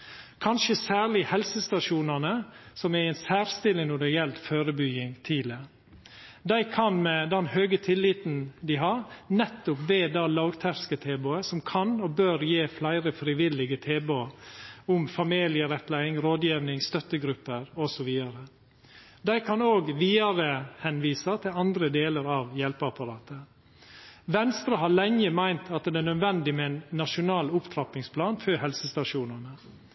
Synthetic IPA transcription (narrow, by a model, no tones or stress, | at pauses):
kʰɑnʃəsæːɭɪhɛlsəst̪ɑʂuːnɑnəsɔmæɛɪnsæːɾst̪ɪlɪŋnɔɖɛɪjɛlt̪føːɾəbʏɡɪŋt̪ʰiːlə | d̪æɪkʰɑnmɛd̪ɛnhøːɡət̪ʰɪlːiːt̪n̩d̪ɪɦɑɾnɛt̪ːʊpbeːd̪ɑːlɑːɡt̪ʰæɾskət̪ʰeːboːəsɔmkʰɑnɔbøːɾjeːflæɪɾəfɾɪʋɪlɪɡət̪ʰeːbo | ʊmfɑmiːlɪəɾɛt̪læɪɪŋɾoːd̪jiːʋnɪŋst̪œt̪ːəɡɾʉpːəɾɔsɔʋiːɑɾə | d̪æɪkʰɑnoːɡʋiːɑɾəhɛnʋiːsɑt̪ʰɪlɑnd̪ɾəd̪eːləɾɑːʋjɛlpəɑpɑɾɑːt̪ə | ʋɛnst̪ɾɑɦɑlɛŋəmæɪnt̪ʰɑt̪̚d̪ɛnœd̪ʋɛnd̪ɪmɛænːɑʂʊnɑːlʊpt̪ʰɾɑpɪŋspʰlɑːnføhɛlsəst̪ɑʂuːnɑnə